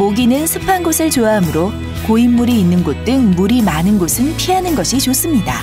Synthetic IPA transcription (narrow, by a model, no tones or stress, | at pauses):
moɡinɯnsʰɯpʰanɡosʰɯɭt͡ɕoaɦamɯɾo | koimːuɾiːnːɯnɡot̚t͈ɯŋmuɾimanɯnɡosʰɯnpʰianɯnɡʌɕʰit͡ɕos͈ɯmɲida̰